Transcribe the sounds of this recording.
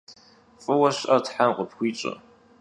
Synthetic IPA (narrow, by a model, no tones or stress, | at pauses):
fʼɨwɐɕɐtħanqʷʼəpʰxʷiːt͡ʃʼɨ̰